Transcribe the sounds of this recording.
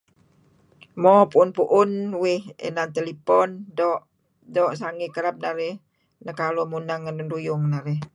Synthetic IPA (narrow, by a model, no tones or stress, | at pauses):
mɔpuʊnpuʔʊnwɪhḛnant̪elipɔndɔʔ | dɔʔsaŋikəɾap̚naɾɪh | nəkalɔmunaŋːənundujʊŋnaɾɪh